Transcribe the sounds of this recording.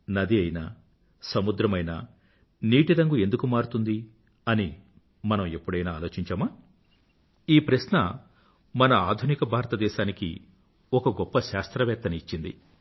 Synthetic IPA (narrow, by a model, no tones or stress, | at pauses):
nɐd̪iɐjnɐ̰ | sɐmud̪ɾɐmɐjnɐ̰ | niːʈiɾɐŋɡue̞nd̪ukumaːɾut̪und̪i | ɐni | mɐnɐme̞pːuɽɐjnaːlo̞ːt͡ʃiɲt͡ʃaːma | iːpɾɐʃnɐ | mɐnɐaːd̪ʱunikɐbʱaːɾɐt̪ɐd̪ɛːʃaːnikḭ | ɔkɐɡɔpːɐʃaːst̪ɾɐʋɛːɾt̪ːɐniit͡ʃːind̪ḭ